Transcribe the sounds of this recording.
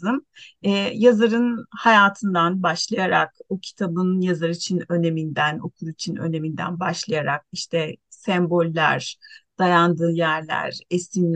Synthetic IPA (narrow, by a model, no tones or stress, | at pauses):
ɯmɛːjazaɾɯnhajaːt̪ʰɯnd̪anbaʃlˠajaɾa̰kocʰi̥t̪ʰabɯnjazaɾit͡ʃʰinø̞ne̞mind̪æno̞̰kʰuɾuit͡ʃʰinø̞̰ne̞mind̪æ̰nbaʃlˠajaɾak̚iʃt̪ʰɛsɛmbo̞lʲːæ̰ɾd̪̥ajand̪ɯːjæɾlʲæ̰ɾesin